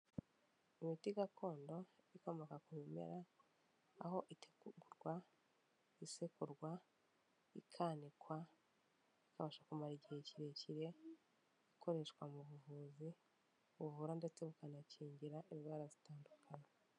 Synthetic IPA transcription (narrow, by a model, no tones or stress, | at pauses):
imitiɡako̞ːndo̞iko̞mokakumemḛɾaː | ho̞ʔite̥ɡuɾɡwa | isekuɾɡwa | ikʰaːnikwa | ikaβaʃakumaɾiɟieciɾeciɾe̞ | ikʰo̞ɾe̞ʃkwamuβuvuːzi | βuvuɾande̞t͡se̞βukanaciːɲɟiɾaʔeβwaːɾazitaːndukʰana